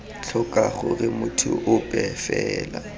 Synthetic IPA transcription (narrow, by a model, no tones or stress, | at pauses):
t͡ɬʰɔkʼaχʊrɪmʊtʰʊ̰ʔʊpʼɛfɛːla